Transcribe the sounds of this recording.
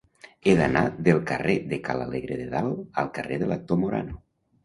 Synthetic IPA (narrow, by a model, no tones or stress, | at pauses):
eðanaðelˠkareðekalaleɣɾeðeðalˠəlˠkəreðələk̚t̪omuɾa̰no